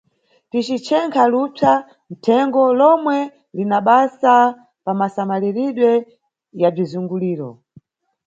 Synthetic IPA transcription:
tit͡ʃit͡ʃʰɛŋkʰalupʰa | n̩tʰɛŋɡɔlɔmwɛ | linaɓasa | pamasamaliɾiɗwɛ | jab͡ʐizuŋɡuliːɾɔ̰

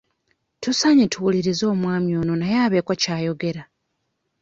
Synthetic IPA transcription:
tusaɲetʰuwuliɾizo̞ːmwaːmjo̞ːno̞najaːβe̞ːkocaːjo̞ɡe̞ɾa

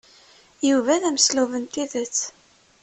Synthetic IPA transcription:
juvæðæmsluvənt̪iðæt͡sː

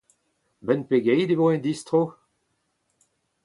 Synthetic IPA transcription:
bɛnpeɡɛjd̪evoɛ̃nd̪ist̪ʁo

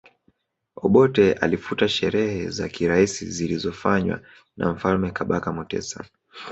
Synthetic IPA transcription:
ɔɓɔtɛa̰lifutaʃɛɾɛhɛza̰kiɾaisḭzilizɔfaɲwa̰ | na̰m̩falmɛkaɓakamɔtɛ̰sa

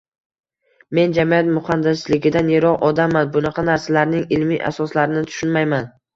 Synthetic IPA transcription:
me̞nd͡ʒamijat̪mʊχand̪ɪslɪɡʲɪd̪aneɾɒʁɒd̪amanbʊnɑqʰɑnaɾsalaɾnɪŋɪlmiʔa̰sɒslaɾɪnɪt̪ʰʊ̥ʃʊnmajman

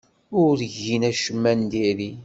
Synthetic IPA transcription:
ʊɾəʝinæʃəmːænd̪iɾi

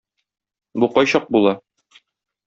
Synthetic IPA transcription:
buqɒjɕɑq̚bulˠɑ

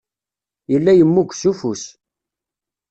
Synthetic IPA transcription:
jəlːæjəmːukʷːsufus

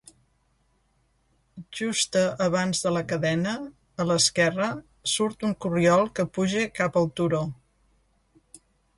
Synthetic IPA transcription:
ʒust̪əʔːβ̞anzðələkəðɛnəː | ləskɛrə | suɾt̪uŋkuriɔlˠkəpuʒikapəlˠt̪uɾo

